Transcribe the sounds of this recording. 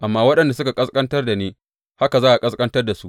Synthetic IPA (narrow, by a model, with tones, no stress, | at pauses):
ʔa˨mːaː˦wɐ˦ɗɐ˨nda˨sʊ˦ka˨kʼɐ˦skʼɐ˦ntɐ˦rda˨neː˦ | ha˦ka˨zaː˦ʔa˨kʼɐ˦skʼɐ˦ntɐ˦rda˨su˦ʔ